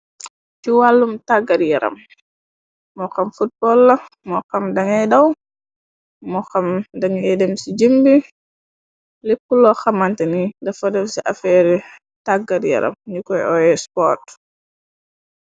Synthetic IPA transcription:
cuwalːumtaɡaɾjɛɾɐ̰m | mɔkɐmfut̚bɔlːɐ | mɔkɐmdɐŋɛdɐw | mɔxamdaŋɛdɛmsid͡ʒəmbi | lipːulɔxamantɛnidɐfɔdɛmsiʔafɛɾɛ | taɡaɾjɛ̰ɾɐ̰mɲukɔjɔjɛspɔt

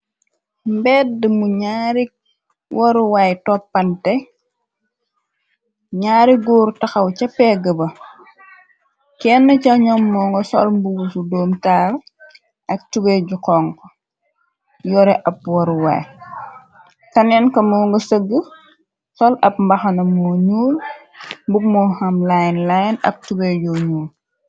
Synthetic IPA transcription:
mbɛt̚dəmuɲaːɾi | wʔɔɾuwajtɔpːɐntɛ | ɲaːɾiɡuːɾtɐxɐwt͡ʃɐpːɛɡəbɐ | kɛːnːɐcɐɲɔmːɔːŋɡɔsɔ̰lmbuɡufudɔːmtaːɾ | ʔɐk̚tubɛɟukɔŋkɔ | jɔɾɛʔɐp̚wɐɾuwa̰j | kɐnɛnkɐmɔːŋɡɐsəɡːə | sɔlɐp̚mbɐxɐnɐmɔɲuːl | mbuɡ̚mɔːxɐmlajnlajnɐ̰k̚tubɛɟɔɲuːl

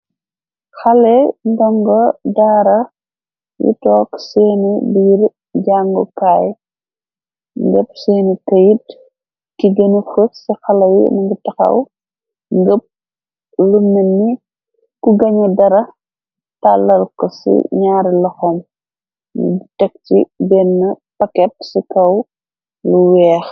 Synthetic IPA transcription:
xɐlɛndɔŋɡɔdaːɾɐ | jṵtɔːksɛːnibiːɾ | ɟaŋɡɔkaːj | ŋɡəp̚seːnitɐjit | kiɡɐnifəksɛxɐlɐjḭnɐŋɡutɐxɐ̰w | ŋɡəp̚ | lunɐnːi | kuɡɐɲɐdɐɾɐ | talːɐlkɔsḭɲaːɾilɐxɔm | nṵbtɛk̚tḭbɛnːɐ | pɐkɛt̚sikɐw | luwɛːx

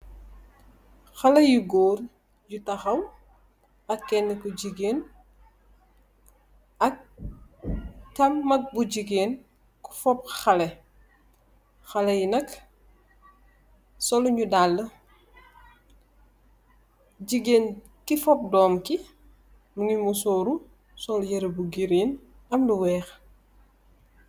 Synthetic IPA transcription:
xɐlɐjuɡoːr | jutɐxɐw | ɐkːɛnːəkɔɟiɡeːn | ɐk̚ | tɐmːɐk̚buɟiɡeːn | ku̥fɔp̚xɐlɛ | xɐlɛjinɐk | sɔlɲudalːə | ɟiɡeːn | kifɔp̚dɔːmki | nuŋimusɔːɾu | sɔljɐɾebuɡiɾin | ɐmluwɛːx

